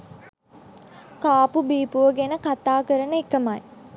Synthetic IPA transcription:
kaːpubiːpuʋəɡenəkat̪aːkəɾənəikəmaj

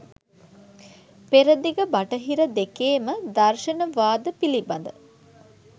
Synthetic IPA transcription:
peɾəd̪iɡəbɐʈəɦiɾəd̪ekeːməd̪ɐɾʃɐnəʋaːd̪əpilibɐnd̪ə

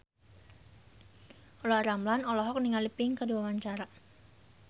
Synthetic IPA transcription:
ɔlɔaɾamlanɔlɔɦɔk̚niŋalipɪŋkəduawaɲt͡ʃaɾa

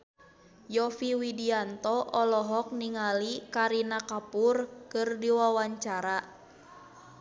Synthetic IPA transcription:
jɔfiwidiant̪ɔʔɔlɔɦɔk̚niŋalikaɾinakapurkɨrdiwawaɲt͡ʃaɾa

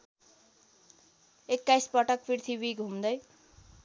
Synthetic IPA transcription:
ekːajspʌʈʌkpʰirt̪ʰibiɡʱɦumd̪ʌj

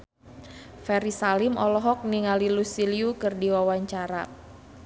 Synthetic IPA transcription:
fɛɾisalɪmʔɔlɔɦɔk̚niŋalilusiliukɨrdiwawaɲt͡ʃaɾa

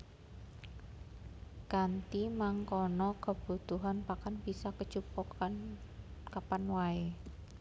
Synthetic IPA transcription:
kant̪imaŋkɔnɔkəb̥ut̪uɦanpakanb̥isakə̥t͡ʃupɔ | kapanwae

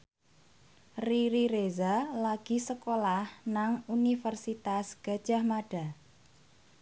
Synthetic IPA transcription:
riɾiɾezalaɡ̥i̤səkolahnaŋunifərsit̪asɡ̥a̤d̥ʒ̥ahmaɖ̥a̤

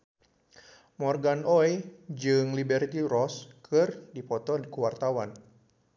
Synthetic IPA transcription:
mɔrɡanʔɔjd͡ʒɨŋlibɛrt̪iɾɔskʰɨrdipɔt̪ɔdikuwart̪awan

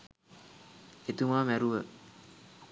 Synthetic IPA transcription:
et̪umamɛɾuə

